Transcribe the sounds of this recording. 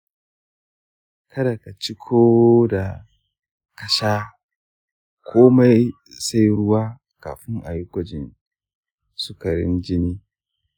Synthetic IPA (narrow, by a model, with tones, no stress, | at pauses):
kʰɐ˦ɾa˨ka˨t͡ʃɪ˦kʰoː˦da˨ | kɐ˨ʃaː˦ | kʷʰoː˦ma˦jj | sa˦jɽʊ˦waː˦ | ka̰ː˨ɸɪ˦ŋʔa̰˨jʊ˦kʷɐ˨d͡ʒɪ˨n | sʊ˦kɐ˨ɾɪ̰˦nd͡ʒɪ˦niː˦